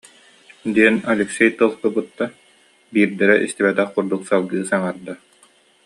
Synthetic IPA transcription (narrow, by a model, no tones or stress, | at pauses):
d̪iɛnalʲɛksɛjt̪ɯlˠkɯbut̪ːa | biːɾd̪ɛɾɛʔḭst̪ibɛt̪ɛχkuɾd̪uksalˠɡɯːsaŋaɾd̪a